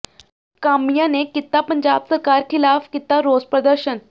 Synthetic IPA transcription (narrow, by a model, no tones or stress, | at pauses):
kamjanekit̪ːapəɲd͡ʑabsəɾkaɾkʰilafkit̪aɾod͡zpɾəd̪əɾɕən